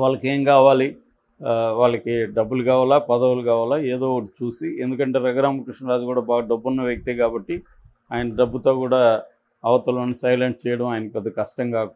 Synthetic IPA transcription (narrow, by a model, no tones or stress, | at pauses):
ʋaːɭːɐke̞ːŋkaːʋaːli | ʋaːɭːɐkiɖɐbːuluɡaːʋaːlaːpɐd̪ɐwulukaːʋaːlaːeːd̪oːʈut͡ʃuːsiend̪ukɐɳʈe̞ːɾɐɡɐɾaːmɐkɾiʂɳɐɾaːd͡ʒ̪ukuːɽaːbaːɡɐɖɐbːunːɐʋjɐkit̪eːkaːbɐʈːi | aːjɐnɐɖɐbːut̪o̞ːkuːɽaː | ɐʋɐt̪ɐloːnːisɐjleɳʈ̚t͡ʃɛːjɐɽɐmaːjɐnɐkiɐd̪ikɐʂʈɐŋkaːku